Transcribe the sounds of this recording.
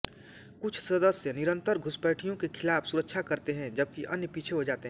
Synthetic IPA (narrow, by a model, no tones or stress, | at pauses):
kʊt͡ʃʰsɐd̪əsjənɪɾə̃nt̪əɾɡʱʊspɛːʈʰijõkekʰɪlaːpʰsʊɾəkʃʰakɐɾt̪eɦɛ̃d͡ʒɐb̚kiʔɐ̰njəpiːt͡ʃʰeɦod͡ʒaːt̪eɦɛ̃